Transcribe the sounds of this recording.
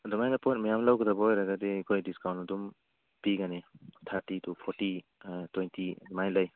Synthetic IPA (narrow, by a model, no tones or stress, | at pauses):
dumajnapɔjt̚majamlawɡɯdabaojɾaɡadekʰojdiskawntadum | piɡanetʰaɾtitupʰɔɾti | twejntidumajlaj